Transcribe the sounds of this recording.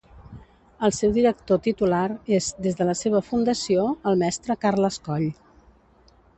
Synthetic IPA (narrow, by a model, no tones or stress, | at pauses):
əlˠsewðiɾək̚t̪ot̪it̪ulaɾezd̪ezðələseβ̞əfund̪əsioəlˠmɛst̪ɾəkarləskɔʎ